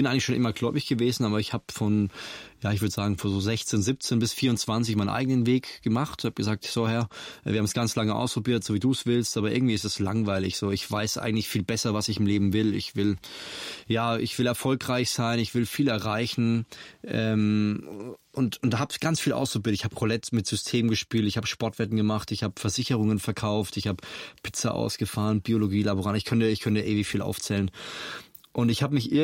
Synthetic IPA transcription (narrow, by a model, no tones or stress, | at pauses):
b̥ɪnʔaɪŋlɪçʃoːnʔɪmɐɡlɔʏbɪçɡ̥əveːzn̩aːbɐɪçhaːbfɔnjaːɪçv̥ʏɐdəz̥aːɡŋ̩fɔnzoːzɛçt͡seːnzɪp̚t͡seːnbɪsfiːɐʊnt͡sv̥ant͡sɪçmaɪnʔa̰ɪɡənənveːkɡ̥əmaχtnhaːb̚ɡ̥əzaːk̚tz̥oːhɛɐʔviːɐhamsɡ̥ant͡slaŋəʔa̰ʊspʁ̥obiːɐtz̥oːviːduːsv̥ɪlstʔaːbɐʔɪɐɡŋ̩tiːɪstɛslaŋvaɪlɪçz̥oːɪçv̥aɪsʔa̰ɪɡŋ̩tlɪçfiːlbɛsɐvasɪçɪmleːbm̩vɪlɪ̰çv̥ɪl | jaːɪ̰çv̥ɪlɛɐfɔlkʁ̥aɪçz̥aɪnɪçv̥ɪlfiːlɛɐʁaɪçn̩ʔɛːm | ʊntʊntd̥aːɦaːbɪçɡ̥ant͡sfiːlʔa̰ʊstobiːtɪçhaːbəʁolɛtmɪtz̥ʏstʰeːmɡəʃpiːltɪçhaːbəʃpɔɐtv̥ɛtn̩ɡəmaχtɪçhaːbə̥fɛɐzɪçəʁ̞ʊŋənfɛɐkʰaʊftɪçhaːbəpʰɪ̥t͡sɐʔa̰ʊsɡ̥əfaːʁənb̥ioloɡiːlabuʁaːnɪçkʰœntəɪçkʰœntəʔeːvifiːlʔa̰ʊft͡sɛːlən | ʔʊntɪçhaːbəmɪçʔɪ